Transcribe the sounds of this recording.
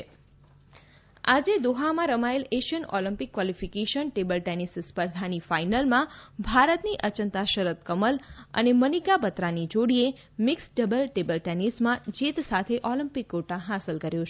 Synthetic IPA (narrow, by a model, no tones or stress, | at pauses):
ad͡ʒed̪oɦamãɾəmaeleʃənɔləmpikːwalifikeʃənʈebəlʈɛnisspəɾd̪ʱanifainəlmãbʱaɾət̪niʔət͡ʃənt̪aʃəɾət̪kəmələ̰nemənikabət̪ɾanid͡ʒoɽie | mɪksɖəbəlʈebəlʈɛnismãd͡ʒit̪sat̪ʰeʔɔləmpikːoʈãɦasəlkəɾjõ